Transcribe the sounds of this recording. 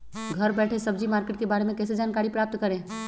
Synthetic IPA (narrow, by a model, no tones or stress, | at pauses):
ɡʱəɾbɛːʈʰesəbd͡ʒimaːɾkeʈ̚kebaːɾemẽkɛːsed͡ʒaːnkaːɾipɾaːp̚t̪kəɾẽ